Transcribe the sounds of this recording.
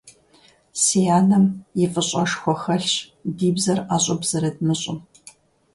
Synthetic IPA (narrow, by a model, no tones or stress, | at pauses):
sijaːnɐmjɪfʼɨɕʼɔʂxʷɔxɐɬ | diːbzɐraːɕʼʊbz̥ɐɾɐdmɨɕʼʊm